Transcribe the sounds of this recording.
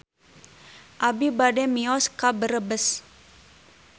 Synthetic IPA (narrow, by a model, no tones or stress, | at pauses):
ʔabibadɛmiɔskabəɾəbəs